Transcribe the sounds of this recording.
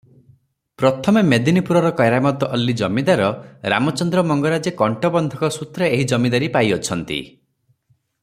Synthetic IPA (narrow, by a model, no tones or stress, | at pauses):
pɾɔt̪ʰɔmemed̪inipuɾɔɾɔkɔjɾamɔt̪ɔɔlːid͡ʒɔmid̪aɾɔɾa̰mɔt͡ʃɔnd̪ɾɔmɔŋɡɔɾad͡ʒekɔɳʈɔbɔnd̪ʱɔkɔsut̪ɾɔeɦid͡ʒɔmid̪aɾipajɔt͡ʃʰɔnt̪ḭ